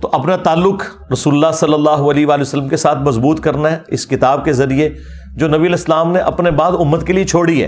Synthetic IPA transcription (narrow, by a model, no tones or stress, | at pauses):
t̪oːʔɐpnat̪aːlːʊk | ɾɐsuːlʊlːasɐlːəlːaːɦuɐleɦʋaːlijoːsəlːəmkesaːt̪ʰmɐzbuːt̪kɐɾnaɦɛɪskɪt̪aːb̚kezɐɾie | d͡ʒoːnɐbiəleɪslaːmneʔɐpnebaːd̪ʊmːət̪keliet͡ʃʰoːɽiɦɛ̰ː